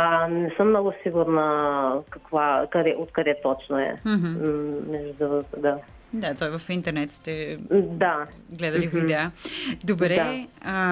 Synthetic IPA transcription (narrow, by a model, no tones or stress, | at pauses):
anɛsəmnɔɡusiɡuɾnɐkɐkvakɐd̪ɛʔot̪kɐd̪ɛt̪ɔt͡ʃnoɛ̰̃ɦ̩mɛʒud̪uvkd̪a | d̪at̪ɔjvɐfĩnt̪ɛɾnɛt̪st̪ɛd̪a | ɡlˠɛðɐlivuid̪ɛad̪ubɾɛa